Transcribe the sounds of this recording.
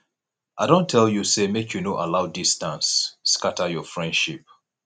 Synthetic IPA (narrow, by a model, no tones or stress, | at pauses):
aɪdõntʰɛljusemekʰjunoʔalaʊdistãnsːkatajɔfɹɛ̃nd̥ʃip̚